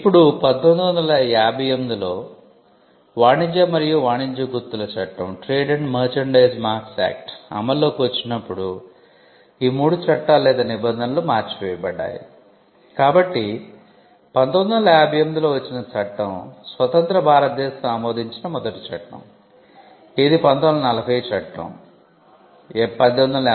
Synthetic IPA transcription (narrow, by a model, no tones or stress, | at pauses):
ipːuɽupɐnt̪ond̪ɐʋɐnd̪ɐlɐaːbʱɐjɐmd̪ilo̞ː | ʋaːɳiɲd͡ʒɐmɐɾijuʋaːɳiɲd͡ʒɐɡuɾt̪ːulɐt͡ʃɐʈːɐmʈɾeːɖɐɳɖmɐːɾt͡ʃɐɳɖɐjsmaːɾksa̰ːk̚ʈɐ̰mɐlːo̞ːkiʋɐt͡ʃːinɐpːuɽu | iːmuːɽut͡ʃɐʈːaːlːɛːd̪ɐnibɐnd̪ʱɐnlomaːɾt͡ʃiʋɛːjɐbɐɖːa̰ːjḭ | kaːbɐʈːi | pɐnt̪ond̪ɐlɐaːbʱijɐmd̪iloːʋɐt͡ʃːinɐt͡ʃɐʈːɐmsʋɐt̪ɐnt̪ɾɐbʱaːɾɐt̪̚d̪ɛːsɐmɐmoːd̪ʱiɲt͡ʃinɐmɔd̪ɐʈi̥t͡ʃɐʈːɐ̰m | eːd̪ipɐnd̪ɐmlɐnɐlɐbʰɐjt͡ʃɐʈːɐ̰m | pɐd̪ond̪ɐlɐ